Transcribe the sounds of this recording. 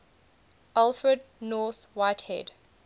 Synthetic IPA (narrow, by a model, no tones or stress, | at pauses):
ʔalˠfɹədnɔːˑθwaɪthɛ̰d